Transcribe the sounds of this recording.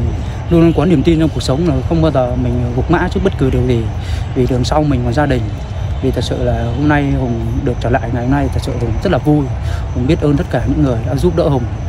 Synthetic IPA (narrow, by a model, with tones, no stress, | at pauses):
lu˧n˧kwɔ˨˦ni˧˩əmt̪i˧nt͡ɕɔ˧ŋ͡mku˨˩ək̚sə˨˦wŋ͡mzo˨˩jxə˧wŋ͡mɓaː˧wzəː˨˩mï˨˩ŋ̟ː˨˩vu˨˩k͡p̚ma̰ː˧˥t͡ɕɨ˦˥ɓə˦˥t̚kɨ˨˩ɗɨ˨˩ək̚zi˨˩ | vi˨˩ɗɨ˨˩əŋsa˧wmï˨˩ŋ̟kɔ˨˩nzaː˧ɗï˨˩ŋ̟ | t̪ʰi˨˩t̪ʰə˨˩t̚sɨ̰˧˨laː˨˩ho˧mna˧jho˧˩ŋ͡mɗɨ˨˩ək̚t͡ɕəː˧˩la̰ː˧˨jŋa˨˩jho˧na˧jt̪ʰə˨˩t̚sɨ̰˧˨˩zə˦˥t̚laː˨˩vu˧j | ho˨˩ŋ͡mɓi˦˥ət̚ʔəː˧nt̪ə˦˥t̚kaː˧˩ɲɨ̰˧˥ŋːɨ˨˩əjɗa̰ː˧˥zu˦˥p̚ɗə̰˧˥hə˨˧˩wŋ͡m